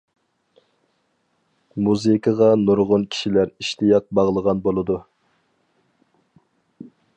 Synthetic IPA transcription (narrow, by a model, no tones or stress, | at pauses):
muzɨkʰəʁɑnuɾʁʊnkʲʰi̥ʃilæɾiʃt̪ijɑt̪̚bɑʁlˠəʁɑnbolˠɨd̪u